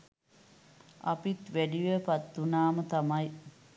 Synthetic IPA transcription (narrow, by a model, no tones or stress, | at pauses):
ɐ̰pit̪ʋæɖiʋəpɐt̪ːunaːmət̪ɐmɐj